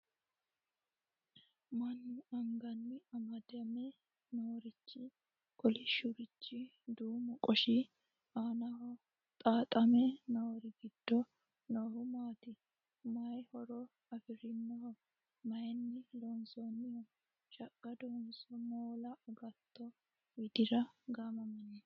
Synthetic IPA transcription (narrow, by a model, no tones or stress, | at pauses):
mɐnːɐŋɡɐnːɪɐmɐd̪ɐmɛ | nɐwɔɾɪt͡ʃːɪ | kʼɔlɪʃʊɾɪt͡ʃːɪ | d̪uːmʊkʼɔʃɪ | aːnɐhɔ | t̪ʼaːt̪ʼɐmɛnɐwɔɾɪɡɪd̪̥ːɔ | noːhʊmaːt̪ɪ | mɐjhɔɾɔ | ɐfɪɾɪnːɐhɔ | mɐjɛnːɪloːnsɔnːɪjɔ | t͡ʃʼɐkʼːɐd̪onsɔmoːlɐɡɐt̪ːɔ | wɪd̪ɪɾɐɡamɐmɐnɛ